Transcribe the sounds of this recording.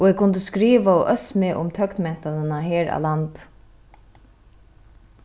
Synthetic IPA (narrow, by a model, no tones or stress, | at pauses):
ɔɛɣkʰʊnt̪əskɾiːʋaɔʔœsmɪʔʊ̰mt̪ʰœkt̪mɛn̥t̪anɪnaɦɛːɾa̰ːlant̪